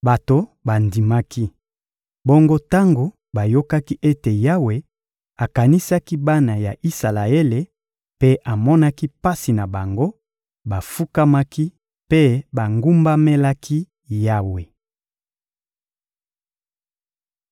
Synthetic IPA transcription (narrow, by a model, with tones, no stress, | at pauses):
ba˨to˨ba˨ndi˨ma˦ki˦ | bo˦ŋɡo˦ta˦ŋɡo˨ | ba˨jo˦ka˦ki˦ʔe˦te˨ja˦we˨ | a˨ka˨ni˦sa˦ki˦ba˦na˨ja˨ʔi˦sa˨la˨e˦le˨ | pe˦ʔa˨mɔ˦na˦ki˦pa˦si˨na˨ba˨ŋɡo˦ | ba˨fu˦ka˦ma˦ki˦ | pe˦ba˨ŋɡu˦mba˦me˦la˦kʰi˦ | ja˦we˨